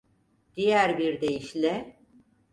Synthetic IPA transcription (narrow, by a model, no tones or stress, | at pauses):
d̪̥ijæɾbiɾd̪e̞jiʃlʲɛ